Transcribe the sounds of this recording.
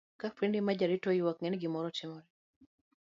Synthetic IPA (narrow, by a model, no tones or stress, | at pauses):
kapwindimad͡ʒaɾitɔɪwakŋɛnɡɪmɔɾɔtɪmɔɾɛ